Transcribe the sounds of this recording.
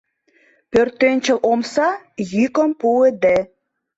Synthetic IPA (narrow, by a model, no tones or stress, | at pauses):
pørt̪ːenʲt͡ɕə̆lʔomsɑ | jykə̆mpued̪e